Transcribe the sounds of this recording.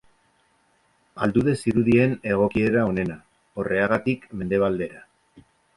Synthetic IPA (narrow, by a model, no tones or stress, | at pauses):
ald̪uðe̞siɾuðie̞ne̞ɣ̞o̞kie̞ɾao̞ne̞na | o̞re̞aɣat̪ikme̞nd̪e̞β̞ald̪e̞ɾa